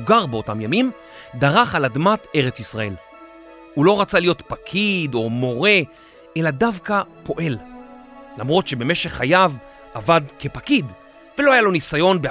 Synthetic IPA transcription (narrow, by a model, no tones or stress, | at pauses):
ɡaʁbeo̞tamjamim | daʁaχaladmate̞ʁet͡sisʁae̞l | hulo̞ʁat͡salijo̞tpakʰido̞mo̞ʁe̞ | ʔeladavkapʰo̞ʔe̞l | lamʁo̞tʃe̞be̞me̞ʃe̞χajav | ʔavadke̞pakid | veloajalo̞nisajo̞nbe